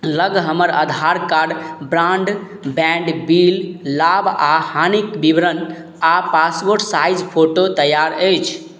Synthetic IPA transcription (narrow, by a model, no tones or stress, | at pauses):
ləɡɦəməɾə̰d̪ʱaɾkaɾɖbɾãɳɖ | bɛɳɖbilːabahanikbibɾən | apasboɾʈsajd͡ʒpʰoʈot̪əjaɾəjt͡ʃʰ